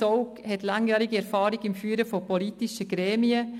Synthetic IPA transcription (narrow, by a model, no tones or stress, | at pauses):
oʊkhɛtlaŋjæːɾɪɡiɛɾfaːɾɪɡɪmfyːɾəfopolitɪʃəɡ̥ɾɛːmiə